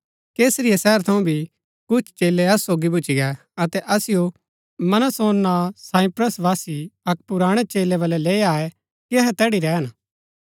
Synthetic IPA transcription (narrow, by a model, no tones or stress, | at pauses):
keːsɾɪjasɛːɛɾt̪ʰɐũbʱi | kʊt͡ʃʰt͡ʃeːlːeɐsːoːɡibʊt͡ʃiɡɛ | ɐt̪ɛʔɐsɪjo | mɐnəsoːnːasãːipɾəsʋaːsiɐk̚pʊɾaːɽ̃ɛt͡ʃeːleʋɐlɛleːaːɛ | kiɐɦɛt̪ɛːɽiɾɛːɦən